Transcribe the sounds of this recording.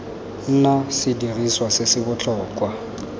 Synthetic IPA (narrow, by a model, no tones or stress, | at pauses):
n̩nasɪdiriswasɪsɪbʊt͡ɬʰʼɔːkwa